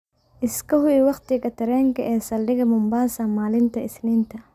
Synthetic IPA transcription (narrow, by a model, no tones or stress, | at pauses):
ʔɪskʰɐhʊɪwɑχt̪ɪkɐt̪ʰɐɾɛːŋkʰɐʔɛːsɐlɖɪɣɐmʊmbaːsɐmaːlɪnt̪ʰɐɪsnɪnt̪ʰɐ